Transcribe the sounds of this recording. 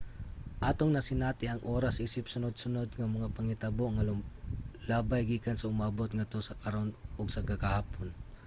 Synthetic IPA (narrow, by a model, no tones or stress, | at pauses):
ʔaːt̪oŋnɐsɪnaːt̪ɪɐŋʔoːɾasʔiːsɪp̚sʊnod̪̚sʊnod̪̚ŋɐmɐŋapɐŋɪt̪aboʔŋɐ | laːbajɡiːkansɐʊmaːbot̪̚ŋɐt̪o̞sɐkɐɾonoɡsɐkakahaːpon